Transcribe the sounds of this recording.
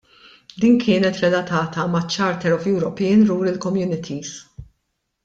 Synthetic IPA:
d̪iːnkʰɪːnɛt̪ɾɛlɐt̪ɐːt̪ɐmɐt͡ʃːɐːɾt̪ɛɾɔfjuːɾɔpinɾuːɾɪlkɔmjuːnɪt̪ʰis

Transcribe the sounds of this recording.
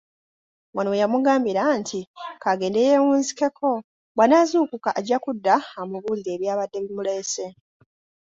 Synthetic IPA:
wʔanowejamuɡaːmbiɾantʰikaɡe̞ːndejewuːnzike̞kʰo̞ | bwanaːzuːkukaʔːɟakudːaamuβuːliɾe̞ːβjaːβadːe̞βimulese̞

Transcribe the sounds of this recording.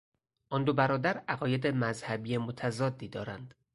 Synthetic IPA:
ʔɒnd̪obæɾɒːd̪æɾæɣɒːje̞d̪emæzhæbiːje̞mot̪ʰæzɒːd̪ːiːd̪ɒ̰ːɾæ̰nd̪̥

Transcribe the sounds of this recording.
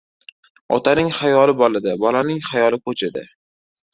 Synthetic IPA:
ɒ̰t̪ʰanɪŋχajɒlɪbɒlɪd̪ɪbɒlanɪŋχajɒlˠɪkʰot͡ʃʰɪd̪ɪ̰

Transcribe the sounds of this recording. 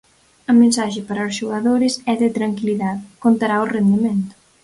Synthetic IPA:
ɐmẽnsaʃɪpaɾɐʊsʃoɣaðoɾɪsɛðɪt̪ɾaŋkiliðaðkont̪aɾaʊrend̪emẽnt̪ʊ̥

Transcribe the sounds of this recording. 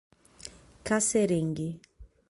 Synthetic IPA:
kasɛɾeŋɡe

